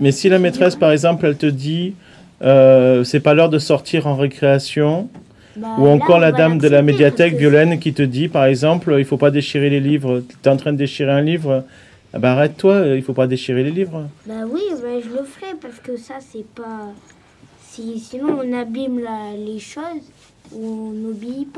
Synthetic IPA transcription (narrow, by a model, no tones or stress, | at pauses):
mɛsilamet̪χɛspaʁɛɡzɑ̃plɛlt̪əd̪i | øsɛpalœʁd̪əsɔʁt̪ʰiʁɑ̃ʁekχeasjɔ̃ | uɑ̃kɔʁlad̪amd̪əlamed̪jat̪ɛkvjɔlɛnkʲit̪əd̪ipaʁɛɡzɑ̃pløilfopad̪eʃiʁelelivʁət̪t̪ɛɑ̃t̪χɛ̃d̪əd̪eʃiʁeɛ̃livʁə | a̰bɛaʁɛt̪ːwailfopad̪eʃiʁelelivʁbawiwɛʒələfɛpaʁsə̥kəsasɛpa | sisinɔ̃ɔ̃nabimlaleʃoz | uɔ̃nobiipa